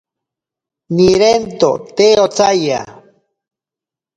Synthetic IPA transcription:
niɾent̪o̰t̪eot͡saja̰

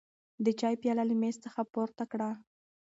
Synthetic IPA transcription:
d̪ət͡ʃɑjpjɑlalimest̪t͡səxapoɾt̪akɽa

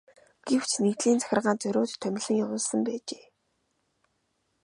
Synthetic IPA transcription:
ɡ̥ew̥t͡ɕʰnekt̪ɮiːnt͡sæ̥xʲɪ̆rʁaːnt͡sœɾʲoːt̪ʰːœmʲɪ̆ɮɘ̆ŋjawʊːɮsə̆mpæːt͡ɕeː

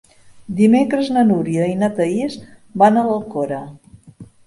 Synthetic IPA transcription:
d̪imekɾəznənuɾiəinət̪əiz | banələlˠkoɾə

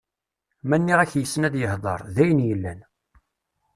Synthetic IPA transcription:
mænːiʁæçjəsːənæðjəhðˤɑ̰ɾˤðæjənjəlːæn

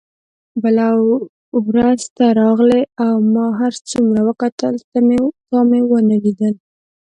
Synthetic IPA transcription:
balaw | wɾast̪aɾɑɣleawmɑɦaɾt͡sumɾawəkat̪əlt̪amet̪ɑmewənəlid̪əl

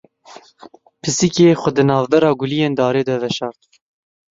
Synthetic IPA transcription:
pʰɨsikeːxʷɛd̪ɨnɑːvbɛɾɑːɡʊlijeːnd̪ɑːɾeːd̪ɛvɛʃɑːɾt̪

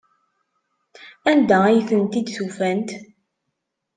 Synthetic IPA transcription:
ænd̪ææjθənt̪id̪sufænt̪

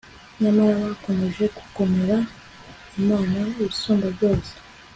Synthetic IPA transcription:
ɲamaɾaβako̞me̞ʒe̞ku̥ko̞me̞ɾa | umaːnaiβisoːmbabɟo̞ːse̥

